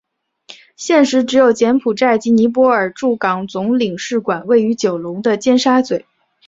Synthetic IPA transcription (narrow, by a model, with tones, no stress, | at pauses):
ɕjɛ˥˩nʂɻ̩˧˥ʈ͡ʂɻ̩˧˥jo˨˩ʊt͡ɕjɛ˧˥npʰu˨˩ʈ͡ʂa˥˩ɪt͡ɕi˧˥ni˧˥p̬wɔ˥ə˞˨˩ʈ͡ʂu˥˩kɑ˨˩ŋt͡sʊ˧˥ŋli˨˩ŋʂɻ̩˥˩kwa˨˩nwe˥˩ɪy˧˥t͡ɕjo˨˩ʊlʊ˧˥ŋd̪ə˧t͡ɕjɛ˥˧nʂa˥t͡swe˨˩˦